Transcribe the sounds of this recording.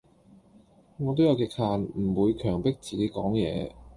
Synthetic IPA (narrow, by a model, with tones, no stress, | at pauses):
ŋɔː˨˧t̪̬o˥wjɐ˨˧wkɪ˧k̚haː˧nm̩˨˩wuː˨˧jkʰœː˨˩ŋpɪ˥k̚t͡siː˨ke˨˥jkɔː˨˥ŋjɛ̰ː˨˧